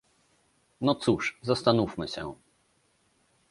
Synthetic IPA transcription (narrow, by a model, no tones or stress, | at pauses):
nɔt̪suʂzast̪anufmɘɕɛ̰